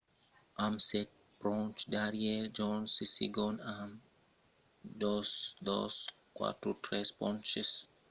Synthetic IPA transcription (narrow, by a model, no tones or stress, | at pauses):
ʔamsɛt̚ | pɾɔ̃nt͡ʃdaɾied͡ʒɔnsisḭɡɔnam | d͡ʒɔsdɔ̰s | kwa̰tutʰɹɛspɔ̰̃nt͡ʃis